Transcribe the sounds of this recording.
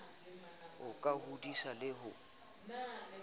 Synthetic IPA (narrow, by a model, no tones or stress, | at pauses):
ʊkʼahudisalɪɦʊ